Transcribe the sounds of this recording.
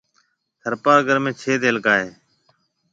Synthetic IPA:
h̪ʰəɾpaːɡəɾmẽːt͡ʃʰeːd̪eːlkaːɦeː

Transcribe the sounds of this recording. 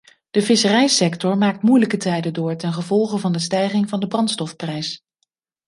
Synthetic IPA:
d̥əvɪsərɛjsɛktɔɹmaːk̚tmujləkətɛjdədʊːɹtɛnχəvɔlˠχəvɑndəstɛjχɪŋvɑndəbrɑntstɔfprɛjs

